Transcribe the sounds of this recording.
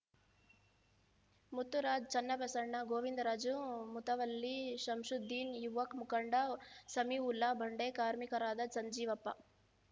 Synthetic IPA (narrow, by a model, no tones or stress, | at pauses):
mut̪ːuɾaːd͡ʒt͡ʃɐnːɐpɐsɐɾɳɐɡoːʋind̪ɾaːd͡ʒumut̪ɐʋɐlːiʃɐmʂud̪ʱːiːnjuʋːɐkmukɐɳɖɐsɐmiulːɐbʱɐɳɖeːkaːɾmikɐɾaːd̪ɐsɐɲd͡ʒiːʋɐpːɐ